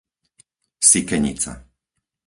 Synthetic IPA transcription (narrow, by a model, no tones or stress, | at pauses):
sikɛɲḭt͡sa̰